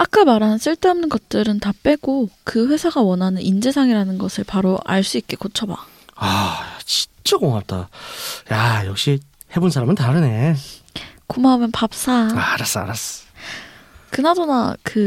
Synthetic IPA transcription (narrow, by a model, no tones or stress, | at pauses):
ak͈amaɾɦanns͈ʰɯɭt͈e̞ʌmnɯnɡʌt̚t͈ɯɾɯntap͈e̞ɡokɯɸwe̞sʰaɡawʌnanɯnʔind͡ʑesʰaŋiɾanɯnɡʌsʰɯɭpaɾoʔa̰ɭs͈uik͈e̞kot͡ɕʰʌba̰ | at͡ɕi̥nt͡ɕʰakoŋap̚t͈a̰jajʌk̚ɕ͈i | he̞bonsʰaɾamɯntaɾɯne̞ | kumamɯnpap̚s͈aaɾas͈a̰ɾas͈ | kɯnadona̰kɯ